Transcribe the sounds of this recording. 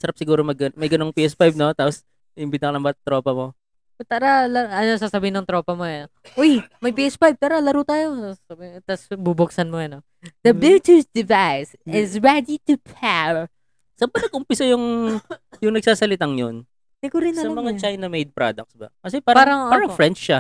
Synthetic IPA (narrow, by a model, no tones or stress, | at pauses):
sɐɾap̚sɪɡuːɾomɐɡɐnmɐjɡɐnoŋpiʔɛspajb̚no̞t̪aːpos | ɪmbɪd̪ɐkɐlɐŋbɐt̪ɾoːpɐmo̞ | t̪aːɾɐlɐɐnosaːsɐbɪːɪnɐŋt̪ɾo̞ːpɐmo | ʔojmɐjpiːʔɛspajb̚t̪aːɾɐlɐɾuːt̪aːjo̞asɐbt̪ɐsbubʊk̚sɐnmojɐno | d̪̥ɐbɪlt̪usd̪ɪvajs | ɪzɹɛd̪it̪upʰɛɹ | sɐmbɐnɐɡʔʊmpɪsɐjʊŋ | jʊŋnɐɡ̚saːsɐlɪt̪aŋjon | d̪ɛkoɾɪnːsɐmɐŋat͡ʃajnɐmejd̪̚pɾa̰d̪ɐk̚t̪sbɐ̰kɐsɛpaːɾpaːɾɐŋʔpaɾɐŋfɾɛnt͡ʃːa